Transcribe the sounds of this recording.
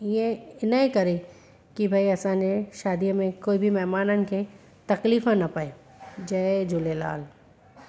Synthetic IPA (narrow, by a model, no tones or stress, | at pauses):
iẽɪnəikɐɾe | kibʱaːiɐsãːd͡ʒeʃaːd̪ijmẽkoːibʱimɛɦmaːnənɪ̆kʰe | t̪ɐkliːfãnɐpae | d͡ʒɐːed͡ʒʊlela̰ːl